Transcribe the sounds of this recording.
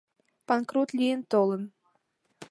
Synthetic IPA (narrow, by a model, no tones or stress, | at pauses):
pankɾut̪lʲijənt̪olˠə̆m